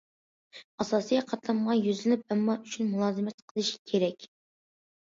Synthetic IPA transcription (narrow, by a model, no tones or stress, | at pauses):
ɑsɑːsijɑqʰɑt̪lˠɑmʁɑjyzlɪnyp̚ɛmːɑyt͡ʃʰynmulˠɑːzɨmɛt̪qʰəlˠɨʃkʲʰeɾɛkʲ